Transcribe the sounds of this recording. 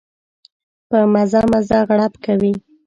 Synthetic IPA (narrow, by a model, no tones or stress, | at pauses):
pəmazɑmazɑɣɽapkawi